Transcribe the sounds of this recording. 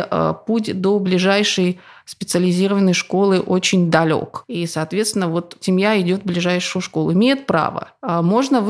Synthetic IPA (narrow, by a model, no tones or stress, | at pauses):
ə̰putʲd̪oblʲɪʐajʂəj | spʲɪt̪sɨəlʲɪzʲiɾəvənːəjʂko̞lˠɨʔot͡ɕɪnʲd̪ɐlʲo̰kisɐːt̪vʲe̞t̪st̪ʲɪnəvo̞t̪sʲɪmjaɪdʲo̞t̪̚blʲɪʐajʂɨjʊʂko̞lˠɪmʲejɪt̪̚pɾa̰və̰mo̞ʐnəv